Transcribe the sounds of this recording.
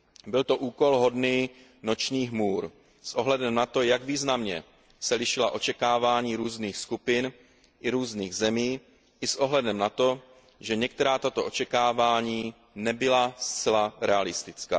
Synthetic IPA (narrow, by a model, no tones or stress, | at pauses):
bɪlt̪o̞ʔuːko̞lɦo̞dniː | no̞t͡ʃɲiːɦmuːɾ | sʔo̞ɦlɛdɛmnat̪o̞jaɡviːznamɲɛ | sɛlɪʃɪlaʔo̞t͡ʃɛkaːvaːɲiːɾuːzniːxskupɪn | ʔɪɾuːzniːɣzɛmiː | ʔɪsʔo̞ɦlɛdɛmnat̪o̞ | ʒɛɲɛk̚t̪ɛɾaːt̪at̪o̞ʔo̞t͡ʃɛkaːvaːɲiː | nɛbɪlast͡sɛlaɾɛalɪst̪ɪt͡ska̰ː